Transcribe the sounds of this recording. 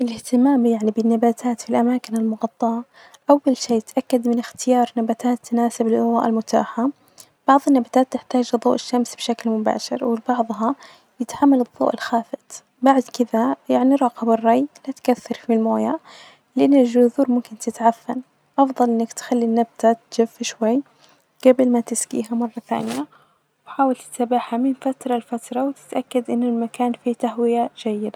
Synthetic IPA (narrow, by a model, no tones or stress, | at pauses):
ʔɪlɪht̪ɪmaːmjaʕnibɪnːabaːt̪ʰaːt̪filʔamaːkɪnɪlmʊɣɑt̪ˤːɑʕɑ | ʔawːalʃeːt̪ʔakːad̪mɪnɪxt̪ɪjɑːɾˤnabat̪aːt̪ːnaːsɪbɪlʔðˤɑ̰ːʔɪlmʊt̪a̰ːħa | b̥ɑʕðˤɪnːabat̪aːt̪ːɪħt̪aːd͡ʒɨðˤːṵːʔɪʃːamsbʃaklmʊba̰ːʃɪ̰ɾwɪbɑʕðˤɦɑ | jɪt̪ħamːalɨðˤːo̰ːʔɪlxaːfɪt̪ | baʕd̪kɪðajaʕniɾˤɑːqɑbɪrˤːɑjlat̪kaθːɑɾˤfilmoːja | lɪʔanːɪlʒʊðuːɾmʊmkɪnt̪ɪt̪ʕafːa̰n | ʔɑfðˤɑlʔɪnːakt̪xalːinːab̚t̪at̪d͡ʒɪfːʃwajː | ɡ̥abɪlmat̪ɪskḭːɦamɑrˤːɑθa̰ːnɪja | wwħaːwalt̪ɪ̥sabaħhamɪnfat̪ɾˤɑlfat̪ɾˤɑwt̪ɪ̥t̪ʔakːad̪ʔɪnːɪlmakaːnfit̪aɦwɪjad͡ʒajːɪd̪a